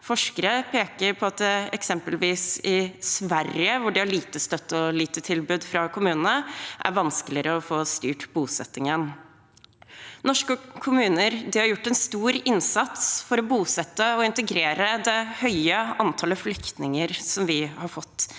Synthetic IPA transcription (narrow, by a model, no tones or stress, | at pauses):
fɔʂkəɾəpʰeːkəɾpʰɔɑt̪̚d̪ɛɛksɛmpəlʋiːsɪsʋæɾɪəʋʊɖɪæɭiːt̪əst̪œt̪ːɔliːt̪ət̪ʰɪlbʉːd̪fɾɑkʰʊmʉːnənəʔæ̰ɾʋɑnskəlɪəɾəɔfoːst̪yːʈbuːsɛ̰t̪ːɪŋən | nɔʂkəkʰʊmʉːnəɾd̪ɪhɑɾjʊʈːɛnst̪uːɾɪnsɑt̪sfɔɾɔbuːsɛt̪ːəɔɪnt̪əɡɾeːɾəd̪ɛhœʏəʔɑnt̪ʰɑːləflʏkt̪nɪŋəɾsɔmʋɪhɑɾfɔt̪ː